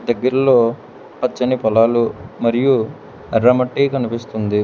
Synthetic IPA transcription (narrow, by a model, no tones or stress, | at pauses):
d̪ɐɡːɐɾɐlo̞ː | pɐt͡ʃːɐnipɔlaːlumɐɾiju | ɐɾːɐmɐʈːiːkɐnipist̪und̪i